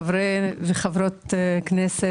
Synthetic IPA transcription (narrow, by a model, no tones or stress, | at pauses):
vɾeveχavɾot̪knɛse